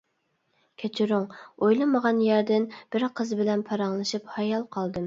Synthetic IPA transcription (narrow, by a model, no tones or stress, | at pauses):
kʲʰet͡ʃʰiɾʊŋojlˠɨməʁɑnjæɾd̪ɪnb̥ɪɾqʰəzbɪlɛnpʰɑɾɑŋlˠɨʃiphɑjɑlˠqʰɑlˠd̪ɨm